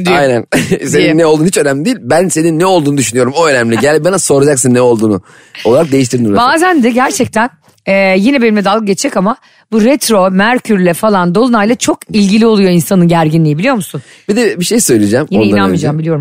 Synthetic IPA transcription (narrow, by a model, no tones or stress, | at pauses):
d̪ajnænseninːɛo̞lˠd̪uːit͡ʃø̞næmlʲid̪eijilʲbænse̞ninːɛolˠd̪uːnud̪yʃynyjo̞ɾumo̞ø̞næmlʲiɟælʲbanaso̞ɾad͡ʒaksɯnːɛo̞lˠd̪uːnu | lˠaɾak̚d̪e̞jiʃ̬t̪iɾd̪ibaːzænd̪ɛɟæɾt͡ʃʰɛc̚t̪ʰæn | ɛjinɛbenʲimʲɛd̪alˠɡɯɟet͡ʃd͡ʒɛkama | buɾɛt̪ɾo̞mæɾcʰyɾlʲɛfalˠand̪o̞lˠunajlˠat͡ʃʰo̞kilʲɟilʲio̞lˠujo̞insanɯɟæɾɟinlʲijibilʲijo̞ɾmusun | b̥id̪ɛbiʃejsø̞jlid͡ʒɛmjionɛjinanmɯid͡ʒaːmbilʲijo̞ɾum